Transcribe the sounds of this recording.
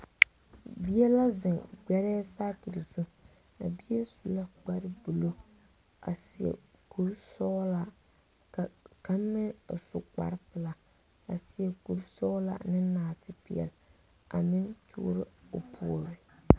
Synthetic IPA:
bi˦ɛ˦la˦zɪ˨ŋɡ͡bɛ˦ɾɛː˦saː˦ki˨ɾi˨zu˦ | a̰˨bi˦e˦su˨la˦ɡ͡ba˦ɾɪ˦bu˨lo˦ | a̰˨si˨ɛ̰˨ku˦ɾsɔː˦la˨ | ka˦mː˦ɪ˦˨sʊ˨k͡pa̰˨ɾɪ˦pɪ˨la˨ | a̰˨sɪ˨ɛ˨ku˨ɾsɔː˦la̰˨nɪ˦naː˨tɪ˦pḭ˨ɛ̰˨l | a̰˨mɪ˦ntṵː˦ɾɪ˦ʊ˨pʰṵ˦˨o˨ɾɪ˨

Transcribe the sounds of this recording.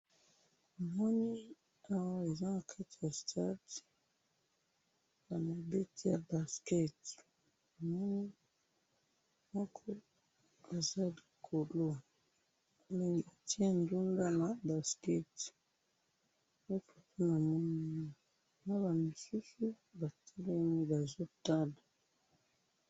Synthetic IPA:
mɔ˦ni˦ | a˦wa˦e˨za˦na˨kʰa˦ti˨ja˨stʰa˦t | na˨ma˨be˦ti˦ja˨ba˨skɛ˦t | a˨mɔ˦ni˦ | mɔ˦kʰɔ˦ | a˨za˦li˨kʰo˨lo˦ | me˨ŋɡi˨a˨ti˦a˦˨ndu˦ŋɡa˦na˨ba˨skɛ˦t | mo˦po˨po˦na˨mɔ˦ni˦i˨ | na˦ba˨mo˨su˦su˦ | ba˨tʰa˦le˦ni˦ba˨zo˦ta˦la˨

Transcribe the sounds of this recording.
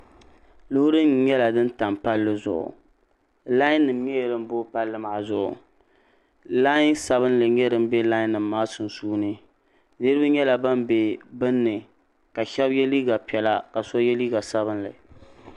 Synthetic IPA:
lʊ˦hʊ˦ɾɨ˦mɲɛ˦la˨dɨ˦nta˨mpa˦lːɨ˦zʊ̰˨ʔʊ̰˨ | la˦ɪ˦nːɨ˨mɲɛ˦jɛ˨ɾɨ˦m˦bo˦pa˦lːɨ˦ma˨zʊ˦ʔʊ̰˨ | la˦ɪ˦nsa˨βɨ˦nlɨ˨ɲɛ˦dɨ˦m˦bɛ˦la˦ɪ˦nːɨ˨mːaː˦sʊ˨nsuː˦nɨ˦ | nɨ˦ɾɨ˦bɨ˦ɲɛ˦la˨ba˦mbe˨bɨ˦nːɨ˨ | ka˨ʃɛ˦bjɛ˦liː˦ɡa˨pɛ˨la˦ka˨sɔ˦jɛ˦liː˦ɡa˨sa˦βɨ˦nlɨ̰˨

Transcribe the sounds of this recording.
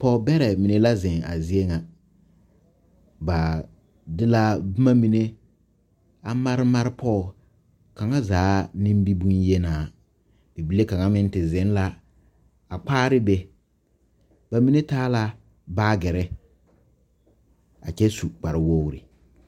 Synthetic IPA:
pɔ˦bɛ˦ɾɛ˨mi˨ne˦la˦zɪ˨ŋa̰˨zi˦e˦ŋa˨ | ba˨ | dɪ˦la˦bma˦mi˨ne˦ | a˨ma˦ɾɪ˦ma˦ɾɪ˦pʰɔː˦˨ | ka˨ŋa˦zaː˨˦nĩ˦m˦bi˦bu˦nje˦naː˨ | bi˨bi˦le˦ka˨ŋa˦mɪ˦n˦tɪ˨zɪ˨˦n˦la˦ | a˨k͡paː˦ɾɪ˦bɛ˨ | ba˨mi˦ne˦taː˦la˦ | baː˦ɡɛ˨ɾɛ˦ | a˨t͡ʃɛ˦su˨k͡pa˨ɾɪ˨wo˦wɾḭ˨

